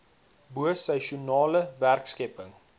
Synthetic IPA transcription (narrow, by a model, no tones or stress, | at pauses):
buəsɛʃunɑːləværkskɛpəŋ